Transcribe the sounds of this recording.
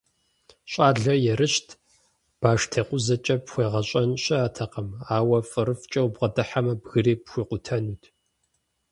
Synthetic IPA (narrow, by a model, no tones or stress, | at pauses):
ɕʼaːɮɐjɛrɨɕtʰ | b̥aːʂtʰeːqʷʊzɐt͡ʃʼɐpxʷeːʁɐɕʼɐnɕʼɐaːtʰɐqɐmaːwɐfʼɨɾɨft͡ʃʼɐwbʁɐdɨħamɐbɣɨɾeːpxʷiːqʷʊtʰɐnuːtʰ